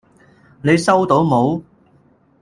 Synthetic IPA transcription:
ne˨˧jsɐ˥wt̪o˨˥wmo˨˥w

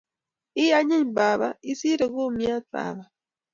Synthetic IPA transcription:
i˦aɲe˦ɲba˨βa̰i˦si˦ɾe˨ɣu˦mja˦tba̰ː˨βa˨

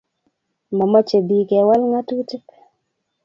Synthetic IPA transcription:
mɔ˨mɔ˦t͡ʃe˨bi˨kɛ˨wa˦lŋa˦tu˦ti˦p

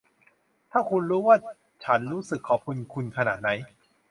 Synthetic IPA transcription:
t̪ʰaː˥˩kʰu˧nɾuː˦˥waː˥˩ | t͡ɕʰa˦˥nɾuː˦˥sɯ˨˩kʰːɔː˨˩p̚kʰu˧nkʰu˧nkʰa˧naː˨˩t̪̚na˦˥j

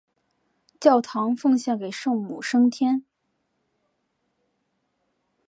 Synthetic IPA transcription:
t͡ɕjɑ˥˩ʊt̪ʰɑ˧˥ŋfɤ˥˧ŋɕjɛ˥˩nke˨˩ɪʂɤ˥˩ŋmṵ˨˩ʂɤ˥ŋt̪ʰjɛ˥n

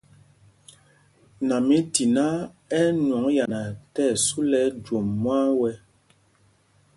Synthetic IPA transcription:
na˨mi˦ti˨na˦ | ɛ˦nwɔ˨˦ŋja˨na˨tɛ˦˨su˦lɛ˦d͡ʒo˨mːwa˦wɛ˦

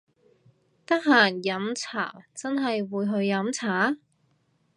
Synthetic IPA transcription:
t̪ɐ˥k̚ɦaː˨˩njɐ˨˥mt͡sʰa̰ː˨˩wt͡sɐ˥nɦɐ˨jwuː˨˧jɦɵ˧ɥːɐ˨˥mt͡sʰaː˨˥

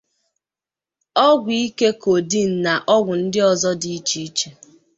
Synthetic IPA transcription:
ɔ˦ɡʷi˨i˦ke˦ko˨di˦n̩˨na˨ʔɔ˦ɡʷʊ˨n̩˦dɪ˦ɔ˨zɔ˦di˨˦t͡ʃi˦i˦t͡ʃe˨

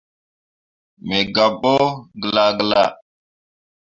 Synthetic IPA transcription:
me˨ɡa˨ɓo˦ɡə˨la˨ɡə˨la̰˦˨

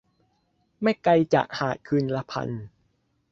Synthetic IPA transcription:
ma˥˩jka˧jt͡ɕa̰˨˩k̚haː˨˩t̪̚kʰɯː˧nla˧pʰa̰˧n

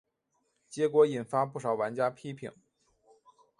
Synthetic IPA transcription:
t͡ɕjɛ˧˥kwɔ˧˥i˨˩nfa˥pu˥˩ʂɑ˨˩ʊwa˧˥nt͡ɕja˥pʰi˥pʰḭ˨˩˦ŋ

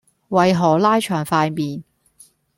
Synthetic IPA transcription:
wɐ˨˧jɦɔː˨˩laː˥jt͡ʃʰœː˨˩ŋfaː˧jmiː˨n

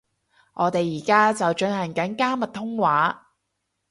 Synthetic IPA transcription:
ŋʔɔː˨˧t̪e˨jːiː˨˩kaː˥t͡sɐ˨wt͡ʃɵ˨˧nhɐ˨˩ŋkɐ˨˥nkaː˥mɐ˨t̚t̪ʰʊ˥ŋwaː˨˥

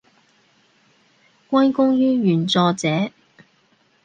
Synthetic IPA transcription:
kʷɐ˥nkʊ˥ŋjyː˥jyː˨˩nt͡sɔː˧t͡sɛː˨˥

